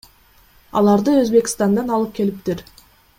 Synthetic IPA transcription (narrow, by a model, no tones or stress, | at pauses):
ɑ̰lˠɑɾd̪əɵzbe̞kʲɪ̥st̪ɑnd̪ɑnɑlˠɯp̚kʰʲe̞lɪp̚t̪ɪɾ